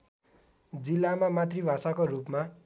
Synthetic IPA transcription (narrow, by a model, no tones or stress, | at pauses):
d͡zilːamamat̪ribʱasakorupma